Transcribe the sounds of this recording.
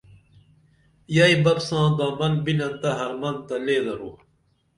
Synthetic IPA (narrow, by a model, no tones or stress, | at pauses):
jaibɐbsãːd̪ãːmɐnbinɐnt̪ɐɦɐɾmɐnt̪ɐleːd̪ɐɾo